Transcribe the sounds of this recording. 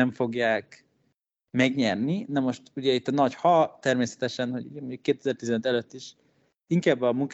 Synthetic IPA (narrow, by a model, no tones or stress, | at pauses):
ɛɱfo̞ɡjaːk | mɛɡɲɛrninɛmo̞ʃt̪uɟɛit̪ːɒnɒɟhɒt̪ɛrmeːsɛ̥t̪ɛʃɛnhoɟṵɟɛmoɲɟukːeːt̪ɛzɛrt̪izɛnøt̪ɛløt̪ːiʃ | iŋkaːbːɒmuŋk